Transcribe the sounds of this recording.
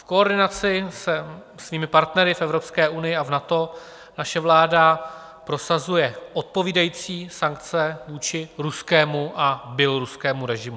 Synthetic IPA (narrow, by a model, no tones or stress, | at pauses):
fko̞oɾdɪnat͡sɪsɛ | sviːmɪpaɾt̪nɛɾɪfɛvɾo̞pskɛːʔunɪjɪavnat̪o̞ | naʃɛvlaːda | pɾo̞sazujɛʔo̞t̪̚po̞viːdajiːt͡siːsaŋk̚t͡sɛvuːt͡ʃɪɾuskɛːmuʔabjɛlo̞ɾuskɛːmuɾɛʒɪmu